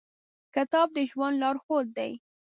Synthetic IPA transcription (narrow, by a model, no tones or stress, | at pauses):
kɪt̪ɑb̚d̪əʒwand̪lɑɾxod̪̚d̪a̰j